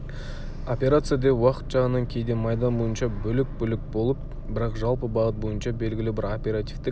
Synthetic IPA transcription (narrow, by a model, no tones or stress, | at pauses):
opʲe̞ɾat̪sɨjad̪ewɑqə̥t̪ʒɑʁənːɑŋkʲʰe̞jd̪e̞mɑjd̪ɑnbo̞jənʃɑbɵlɪk̚bʏlɪk̚bo̞lˠəp̚ | bɪɾɑqʒɑlˠpəbɑʁət̪̚bo̞jənʃɑbe̞lɡʲɪlɪbɪɾopʲe̞ɾat̪ʲift̪e